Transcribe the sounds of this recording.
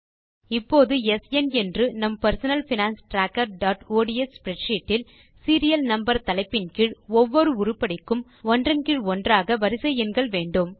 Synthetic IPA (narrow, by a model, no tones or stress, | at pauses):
ɪpːoːðɯɛsɛnɛndrɯnɐmpɐɾsɐnɐlfɪnaːnsʈɾaːkːɐɾɖaːʈoːɽɪɛspɪɾɛʈʂiːʈːɪl | siːɾɪjɐlnɐmbɐɾt̪ɐlɐɪpːɪnkɪɻɔʋːɔɾɯʊɾʊpːɐɽɪkːɯm | ɔndrɐnkɪɻɔndraːɣɐʋɐɾɯsɛjɪnɡɐɭʋeːɳɖɯm